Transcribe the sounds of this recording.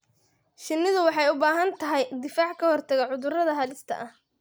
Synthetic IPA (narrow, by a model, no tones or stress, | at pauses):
ʃɪnːɪðʊwɑħɑjʊbaːɦɐnt̪ʰɐɦɛjd̪ɪfaːʕkʰɐhɔrt̪ʰɐɣɐʕʊðʊrɐðɐɦɐːlɪst̪ʰɐ̰ʔɐh